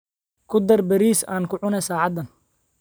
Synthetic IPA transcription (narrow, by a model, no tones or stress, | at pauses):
kʰʊd̪ɐrbɐɾiːsa̰ːnkʰʊʕʊnɛsaːʕɑd̪ːɐn